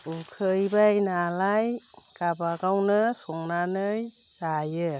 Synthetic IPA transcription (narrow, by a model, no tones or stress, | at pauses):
ukʰɯjbajnalajɡ̥abaɡawnɯsɔŋnanɯj | zajɯ